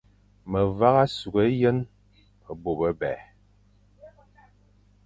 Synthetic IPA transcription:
mə˨va˦ɣa˦su˨ɡə˨˦jə˦n | ə˨bo˨bə˦bɛ˨

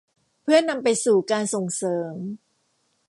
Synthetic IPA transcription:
pʰɯ˥˩ɐna˧mpa˧jsuː˨˩kaː˧nso˨˩ŋsɤː˩˦m

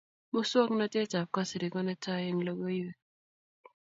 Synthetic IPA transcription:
mo˦swɔ˦kna˦te˦t͡ʃa˨p̚ka˦sɪ˨ɾi˨kɔ˦nɛ˦ta˦jɪ˦ŋlo˦ɡo˦i˦we˦

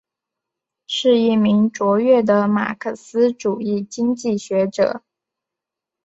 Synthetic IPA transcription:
ʂɻ̩˥˧i˥˩mi˧˥ŋʈ͡ʂwɔ˧˥ɥɛ˥˩d̪ə˩ma̰˨˩kʰɤ˥˩sɹ̩˥ʈ͡ʂu˨˩i˥˩t͡ɕi˥ŋt͡ɕi˥˩ɕɥɛ˧˥ʈ͡ʂɤ̰˨˩˦

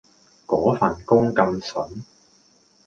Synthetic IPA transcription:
kɔː˨˥faː˨˩nkʊ˥ŋkɐ˧msɵ˨˥n

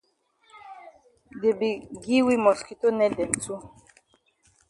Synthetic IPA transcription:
de˨bi˨ɡi˦wi˦mɔ˨ski˨to˦nɛ˦dɛ˨n˨t͡su˦

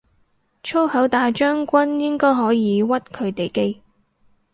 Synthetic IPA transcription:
t͡ʃʰo˥whɐ˨˥wt̪aː˨˧jt͡ʃœː˥ŋkʷɐ˥njɪ˥ŋkɔː˥jɦɔː˨˥jiː˨˧wɐ˥t̚kʰɵ˨˧ɥt̪e˨jke˥j

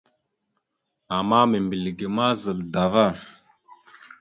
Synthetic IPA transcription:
a˨ma˦me˨mbi˨lɡi˨ma˦zə˨lda˨va˦˨

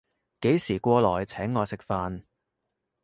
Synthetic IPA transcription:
ke˨˥jsiː˨˩kʷɔː˧lɔː˨˩jt͡sʰɛː˨˥ŋːɔː˨˧sɪ˨k̚faː˧n

